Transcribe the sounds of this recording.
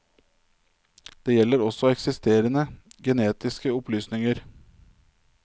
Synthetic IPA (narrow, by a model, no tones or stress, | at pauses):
d̪̥eːjɛlːəɾɔsɔɛksɪst̪eːɾənəɡɛneːt̪ɪskəɔplyːsnɪŋəɾ